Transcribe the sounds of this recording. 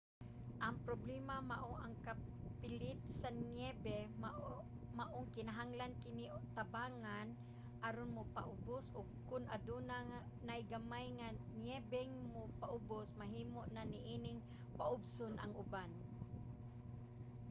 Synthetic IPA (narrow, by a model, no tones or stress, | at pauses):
ʔɐŋpɾoblɛmamaʔoʔaŋkapɪlɪt̪̚sanjɛbɛm | maʔoŋkɪnaɦaŋlankɪnɪt̪abaːŋan | ʔaɾonmʊpa̰ʔʊbʊsʊɡ̚kʊnad̪unaŋa | najɡamajŋanjɛbɛŋmʊpaʔʊbʊsmaɦiːmoʔnanɪʔiːnɪŋ | paʔʊbsʊnʔa̰ŋʊban